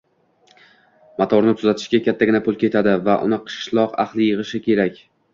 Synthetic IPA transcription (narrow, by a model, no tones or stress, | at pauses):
mat̪ʰɒɾnɪt̪ʰʊzat̪ʰɪ̥ʃɡʲakʲat̪ʰːaɡʲɪnapʰʊlˠkʲʰe̞t̪ʰad̪ɪvaʔʊ̰nɪqʰɨ̥ʃlˠɒqa̰χlˠɪjɨʁɨʃɪkʲʰe̞ɾakʲ